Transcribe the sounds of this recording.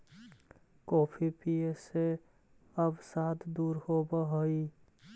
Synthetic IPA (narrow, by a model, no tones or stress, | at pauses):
kopʰipiese | əbsat̪ʰd̪uːɾhobəɦəi